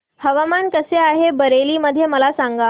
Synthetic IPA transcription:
həʋamankəseaɦebəɾeliːməd̪ʱːjeməlasãŋɡa

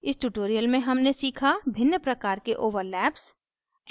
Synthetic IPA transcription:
ɪsʈuːʈoːɾijəlmẽɦɐmnesiːkʰabʱɪnjəpɾɐkaːɾkeʔoːʋəɾlɛːps

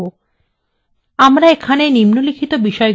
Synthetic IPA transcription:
o | amɾaekʰanenimnolikʰit̪obiʃɔe

